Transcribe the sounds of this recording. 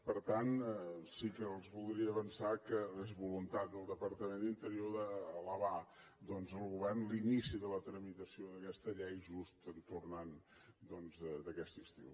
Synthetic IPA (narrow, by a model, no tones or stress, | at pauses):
pəɾt̪ansikəːlˠzβulˠd̪ɾiəːβənsakəlezβulunt̪at̪̚d̪əlˠd̪əpəɾt̪əmend̪int̪əɾioðəːləβa | d̪ɔnzəlˠɣuβɛrnlinisiðələt̪ɾəmit̪əsioðəkɛst̪əʎɛjʒust̪ənt̪urnand̪ɔnzəd̪əkɛst̪ist̪ḭw